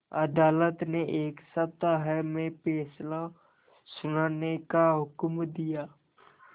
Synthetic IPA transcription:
ɐd̪aːlət̪neʔeːksəb̚t̪aɦəmẽpeːsla | sʊnaːnekaɦʊkmd̪ijaː

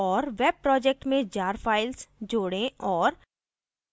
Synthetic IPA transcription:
ɔːɾʋɛːb̚pɾɔːd͡ʒɛːk̚ʈmẽd͡ʒaːɾpʰaːɪlsd͡ʒoːɽẽɔːɾ

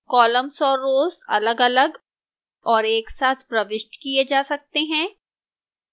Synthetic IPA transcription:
kɔːləmsɔːɾoːzɐ̰ləɡɐləɡ | ɔːɾeːksaːt̪ʰpɾɐʋɪʃʈkied͡ʒaːsɐk̚t̪eɦɛ̃ː

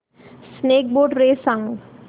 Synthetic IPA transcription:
sneːk̚boːɖɾeːsãŋɡ

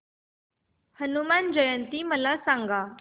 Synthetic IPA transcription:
hənumand͡ʑəjənt̪iːməlasãŋɡa

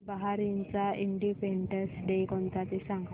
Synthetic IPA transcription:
baɦaɾint͡saiɳɖipeɳɖəsɖejkɔnt̪at̪esãŋɡ

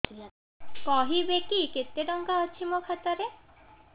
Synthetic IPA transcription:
kɔɦibekiket̪ːeɖɔŋkaɦoːt͡ɕʰimokʰat̪aɾe

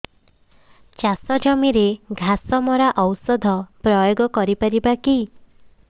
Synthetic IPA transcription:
t͡ʃasɔd͡ʒɔmiɾeɡʱasɔmɔɾaʔɔwsɔd̪ʱɔpɾɔjoɡɔkɔɾipaɾibaki

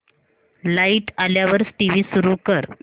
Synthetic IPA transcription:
laiʈaljaʋəɾsʈiʋiːsuɾuːkəɾ

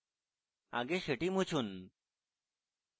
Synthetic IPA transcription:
a̰ɡeɕəʈimut͡ɕʰun

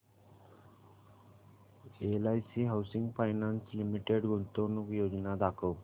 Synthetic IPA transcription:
elajsiɦawsiŋɡpʰajnanslimiʈeɖɡunt̪onukjod͡ʒnad̪akʰow

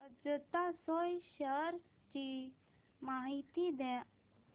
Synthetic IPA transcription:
əd͡zət̪asojɕəɾ | t͡ɕi | maɦit̪id̪ɛ

